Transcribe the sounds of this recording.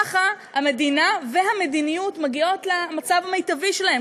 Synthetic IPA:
χahame̞dinave̞ɦame̞dinijutmaɡio̞tlamat͡savamejtaviʃelahe̞m

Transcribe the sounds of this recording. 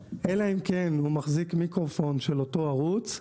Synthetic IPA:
ʔelaimkenhumaχzikmikʁofo̞nʃe̞loto̞aʁut͡s

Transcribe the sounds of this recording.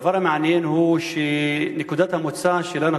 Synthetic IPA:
vɑɾˤamaʕnijinhuːʃenɪkud̪aːt̪hamʊt͡sːaʃelana

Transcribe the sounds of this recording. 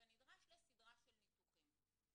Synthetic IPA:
enid̪ʁaʃlesid̪ʁaʃelnit̪uχim

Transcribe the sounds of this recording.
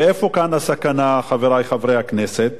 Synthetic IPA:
efo̞kanasakanaχaveʁajχavʁejhakneset̪̚

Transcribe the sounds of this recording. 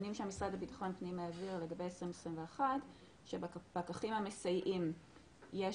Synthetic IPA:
nimʃeamisʁadabitḁχo̞npniimeaviʁle̞ɡabe̞jesʁimesʁimveaχat | ʃebb̥akaχimamesajʔim | je

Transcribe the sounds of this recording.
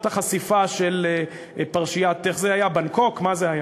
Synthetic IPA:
t̪aχasifaʃel | paʁʃijat̪e̞χzeajabanko̞kmazeaja

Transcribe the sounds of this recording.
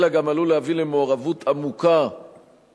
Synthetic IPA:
laɡamalulehavilemeoʁavut̪ʰamuka

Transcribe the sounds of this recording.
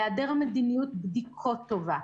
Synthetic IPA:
ad̪eʁamed̪inijut̪̚bd̪ikʰot̪ːova

